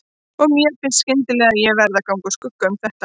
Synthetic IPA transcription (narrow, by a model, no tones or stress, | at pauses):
ɔɣmjɛfɪnscɪnt̪ɪlɛːɣaðjɛɣvɛɾðakawŋkaskʏkːaʏmθɛht̪a